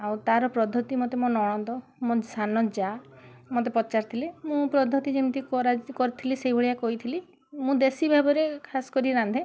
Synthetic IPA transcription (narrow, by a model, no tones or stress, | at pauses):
awt̪aɾɔpɾɔd̪ʱɔt̪imɔt̪emɔnɔɽ̃ɔ̃d̪ɔ | mɔ̃sanɔd͡ʒamɔt̪̬epɔt͡ʃaɾt̪ʰilemũpɾɔd̪ʱɔt̪id͡ʒent̪ikɔɾakɔɾit̪ʰilisejbʱeɭijakɔit̪ʰili | mũd̪esibʱabɔɾekʰasɔ̥kɔɾiɾand̪ʱe